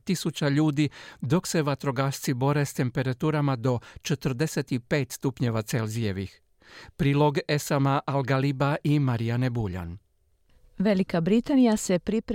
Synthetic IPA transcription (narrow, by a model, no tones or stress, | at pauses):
t̪isut͡ɕaʎuːd̪id̪o̞kse̞ʋat̪ɾo̞ɡaʃt̪sibo̞ɾe̞st̪e̞mpe̞ɾat̪uːɾamad̪o̞t͡ʃet̪rd̪e̞se̞t̪ipe̞ːt̪st̪upɲe̞ʋat̪se̞lzije̞ʋix | pɾiːlˠo̞ɡe̞samaʔalɡalibaʔimaɾianebuʎa̰n | ʋe̞likabɾit̪anijase̞pɾipɾ